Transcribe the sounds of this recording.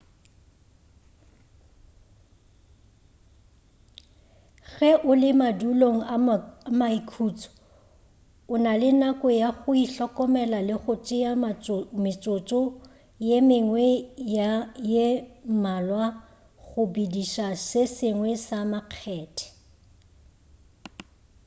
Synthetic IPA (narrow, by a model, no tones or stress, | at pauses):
ɣɛʔʊlɪmaduloŋ̩amaikʰuːt͡sʼɔ̥ | ʊnalɪnakʼɔjaɣʊiɬɔkʼɔmɛlalɪχʊt͡ʃʼɪjamɪt͡sʼot͡ʃʼɔ | jemɪŋwɛjajemalwa | ɣʊbidiʃasɪsɪŋwɛsamaq͡χʰɛːtʰʼɛ̥